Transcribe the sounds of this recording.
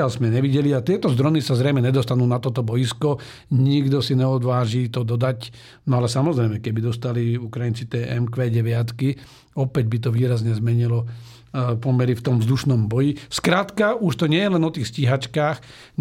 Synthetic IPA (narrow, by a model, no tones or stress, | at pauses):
alzmɛɲɛʋiɟɛliat̪ɪɛt̪ɔzd̪ɾɔnisazɾɛjmɛɲɛd̪ɔst̪anuːnat̪ɔt̪ɔbɔjiskɔ | ɲiɡd̪ɔsiɲɛɔd̪ʋaːʒiːt̪ɔd̪ɔd̪ac | nɔalɛsamɔzɾɛɪmɛkɛbid̪ɔst̪aliukɾajint͡sit̪ɛːʔɛmkʋɛːɟɛʋɪat̪ki | ɔpɛɟ̚bit̪ɔʋiːɾazɲɛzmɛɲilɔ | pɔmɛɾift̪ɔmvzd̪uʃnɔmbɔjiskɾat̪kaʔuʃt̪ɔɲɪɛjɛlɛnɔt̪iːxsciɦat͡ʃkaːx